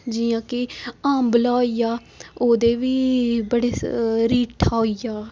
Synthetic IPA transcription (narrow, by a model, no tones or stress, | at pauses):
d͡ʒijãːkɪãːmbəlaːiːjaː | oːd̪eːʋiːbəɽeːɾiːʈʰaːoijaː